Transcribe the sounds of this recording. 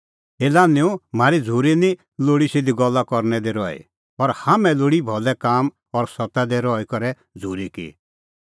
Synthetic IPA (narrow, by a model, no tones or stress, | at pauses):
eːlanɪũm̤aːɾid͡zʱuːɾini | loːɽisɪd̪iɡɔlːakɔɾnɛd̪eɾɔḭ | pɔɾhamɛ̃loːɽibʱɔlɛkaːm | ɔɾsɔt̪ad̪eɾɔikɔɾɛ | d͡zʱuːɾikḭ